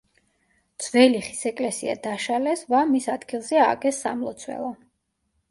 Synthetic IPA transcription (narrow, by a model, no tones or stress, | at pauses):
d̪z̥vɛliχi̥sɛkʼlɛsia̰d̪aʃalɛsvamisad̪ɡilˠzɛaɡɛsːa̰mlˠɔ̰t̪sʰwɛ̰lˠɔ